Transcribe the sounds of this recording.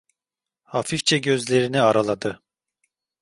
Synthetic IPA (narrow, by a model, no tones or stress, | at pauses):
hafift͡ʃʰɛɟø̞zlʲe̞ɾiniaɾalˠad̪ɯ